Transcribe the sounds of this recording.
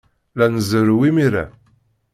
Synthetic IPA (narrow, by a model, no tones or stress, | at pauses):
lænəzəɾwimiɾæ̰